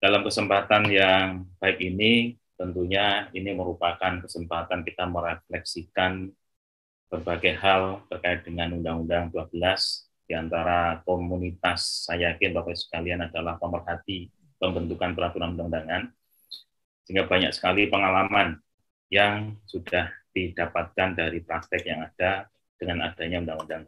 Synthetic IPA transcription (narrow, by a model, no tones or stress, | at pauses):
d̥alamkəsəmpat̪anjaŋb̥aɪkini | t̪ənt̪uɲainiməɾupakankəsəmpat̪ankit̪aməɾeflɛksikan | b̥ərbaɡajhalt̪ərkaɪt̪̚d̥əŋanundaŋundaŋd̪uabəlas | d̥iant̪aɾakomunit̪asːajakɪnbawajsə̥kalianadalahpəmərɦat̪i | pəmbənt̪ukanpəɾat̪uɾanundaŋundaŋan | səiŋɡabaɲa̰k̚sə̥kalipəŋalaman | jaŋsud̥ahd̥id̥apat̪̚kandaɾipɾak̚t̪ɪkjaŋad̥a | d̥əŋanad̥aɲaundaŋundaŋ